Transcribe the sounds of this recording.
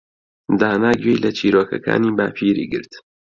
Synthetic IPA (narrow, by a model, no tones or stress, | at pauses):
d̪aːnaːɡwejlɐt͡ʃʰiːɾoːkɐkʰa̰ːniːbaːpʰiːɾḭːɡɨɾt̪